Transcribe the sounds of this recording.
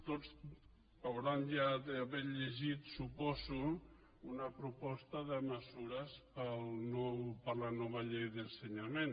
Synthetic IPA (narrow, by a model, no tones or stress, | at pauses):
t̪ot͡s | awɾanʒaðəːβɛɾʎeʒit̪supɔzu | unapɾupɔst̪əðəməsuɾəspəlnɔwpəɾlanɔβaʎejðənsəɲamen